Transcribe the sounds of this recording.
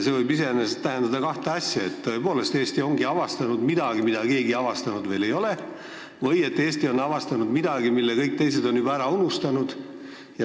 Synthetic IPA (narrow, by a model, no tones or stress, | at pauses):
se̞vɤjbis̬e̞eːnest̪æɦe̞nd̪ɑd̪ɑkɑht̪eɑsʲjɑe̞t̪ːoe̞po̞ːle̞st̪eːsʲt̪io̞ŋɡiɑvɑst̪ɑnud̪mid̪̥ɑɡimid̪ɑke̞ːɡiɑvɑst̪ɑnud̪ve̞ːle̞jo̞le̞ | vɤje̞t̪ːeːsʲt̪io̞nːɑvɑst̪ɑnud̪mid̪ɑɡ̥imilːekɤjk̚t̪e̞js̬e̞d̪o̞nːyb̥ɑæɾɑunust̪ɑnud̪̥ | jɑ